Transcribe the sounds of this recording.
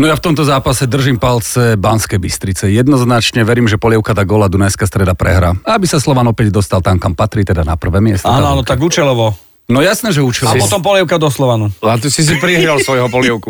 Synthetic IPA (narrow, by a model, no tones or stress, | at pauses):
nɔjaft̪ɔmt̪ɔzaːpasɛd̪r̩ʒiːmpalt͡sɛbanskɛjbist̪ɾit͡sɛjɛd̪nɔznat͡ʃɲɛʋɛɾiːmʒɛpɔlɪɛʊkat̪aːɡɔlad̪unajskast̪ɾɛd̪apɾɛ̰ɦɾaːaabisaslɔʋanɔpɛɟd̪ɔst̪alt̪amkampat̪ɾiːt̪ɛd̪anapr̩ʋɛːmɪɛst̪ɔaːnnɔanɔt̪aɡuːt͡ʃɛlɔʋɔ | nɔjasnɛːʒɛuːt͡ʃɛlɔɔt̪ɔmpɔlɪɛʊkad̪ɔslɔʋanulat̪̬usis̬ipɾiɦɾalsʋɔjɦɔpɔlɪɛʊku